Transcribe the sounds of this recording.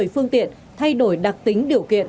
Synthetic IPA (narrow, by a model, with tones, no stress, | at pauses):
jfɨ˧əŋt̪ḭ˧˨ən | t̪ʰa˧jɗo˧˩jɗa˨˩k̚t̪ï˨˦ŋ̟ɗi˨˩əwkḭ˧˨ən